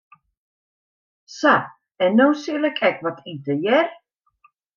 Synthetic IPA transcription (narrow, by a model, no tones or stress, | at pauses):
sa | ɛnːowsilɛkʰɛkʋɔtʰitəjɛr